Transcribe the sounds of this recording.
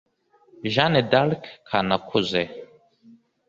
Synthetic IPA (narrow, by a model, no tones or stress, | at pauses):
ʒanedalkkʰanakʷʰuze